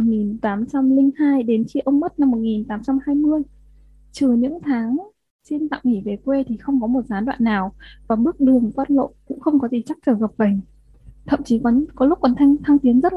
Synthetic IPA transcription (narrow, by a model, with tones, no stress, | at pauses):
ŋi˨˩nt̪aː˨˦mt͡ɕa˧mlï˧ŋhaː˧jɗe˨˦nt͡ɕḭ˧˨ʔə˧wŋ͡mm˦˥t̚na˧mːo˨˩t̚ŋi˨˩nt̪aː˨˦mt͡ɕa˧mhaː˧jmɨ˧əj | t͡ɕɨ˨˩ɲɨ̰˧˥ŋt̪ʰaː˨˦ŋ | si˧nt̪a̰ː˧˨ŋŋi˧˩ve˨˩kwe˧t̪ʰi˨˩xə˧wŋ͡mkɔ˨˦mo˨˩t̚zaː˨˦nɗwa̰ː˧˨nːaː˨˩wvaː˨˩ɓɨ˦˥ək̚ɗɨ˨˩əŋkwaː˦˥t̚lo̰˧˨kʊ̰˧˥ŋ͡mxə˧wŋ͡mkɔ˨˦zi˨˩t͡ɕa˦˥k̚t͡ɕəː˧˩ɣə˨˩p̚ɓə˨˩ŋ̟ | t̪ʰə̰˧˨mt͡ɕi˨˦kɔ˨˦nkɔ˨˦lʊ˦˥k̚kɔ˨˩nt̪ʰa˧ŋt̪ʰa˧ŋt̪i˨˦ənzə˦˥t̚